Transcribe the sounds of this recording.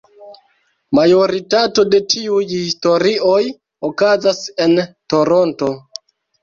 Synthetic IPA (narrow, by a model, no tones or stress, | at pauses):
majo̞ɾitato̞de̞tʰiujhisto̞ɾio̞j | okazase̞nto̞ɾo̞nto